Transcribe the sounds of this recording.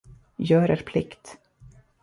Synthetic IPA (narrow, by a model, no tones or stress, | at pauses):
jœːɾeːɾpʰlɪkt̪